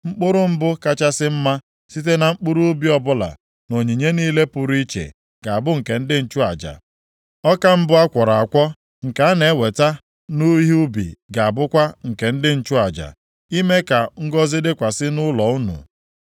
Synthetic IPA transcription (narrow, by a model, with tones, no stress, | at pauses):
ŋ͡m̩˦k͡pʊ˦ɾʊ˦m̩˦bʊ˦ka˦t͡ʃa˦sɪ˦m̩˦ma˦ | si˦t̬e˦na˨ŋ͡m̩˦k͡pʊ˦ɾu˦bi˦ɔ˦bʊ˦la̰˨ | no˨ɲi˨ɲe˦niː˦le˦pʊ˨ɾi˦t͡ʃḛ˨ | ɡ̥a˨a˨bʊ˦ŋ̩˨ke˨n̩˦dɪ˦n̩˦t͡ʃʊ˦a̰˨d͡ʒa̰˨ | ɔ˦ka˦m̩˦bʊ˦a˦kʷɔ˨ɾa˨a˨kʷɔ˦ | ŋ̩˨ka˨˦a˦ne˨˦we˨ta˦ | nu˦ɦi˦u˦bḭ˨ɡa˨a˨bʊ˦kʷa˦ŋ̩˨ke˨n̩˦dɪ˦n̩˦t͡ʃʊ˦a˨d͡ʒa̰˨ | i˦me˦ka˨ŋ̩˦ɡɔ˦zɪ˦dɪ˦kʷa˨sɪ˦nʊ˦lɔ˨ʊ˦nṵ˨